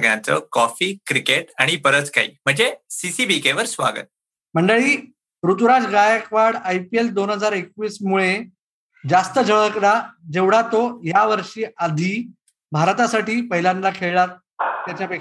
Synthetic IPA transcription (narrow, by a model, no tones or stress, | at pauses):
ɡjãt͡sə̰kɔfiːkɾikeʈaɽ̃ipəɾət͡ska̰ḭːm̤əɳd͡zesisibikeʋəɾsʋa̰ɡə̰t̪̚ | m̤əɳɖəɭiː | ɾut̪uɾad͡zɡajəkʋaɽajpield̪onɦəd͡zaɾekʋiːsmuɭe | d͡zast̪əd͡zʱəɭəklad͡ʑeʋɽ̤at̪ojaʋəɾʂiːad̪ʱiː | bʱaɾt̪asaʈiːpəɦilãnlakʰeɭɭat̪ | t̪jat͡ɕjapek